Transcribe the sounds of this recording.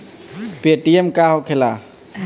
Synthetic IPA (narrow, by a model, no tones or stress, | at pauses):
peʈiemkahɔkʰela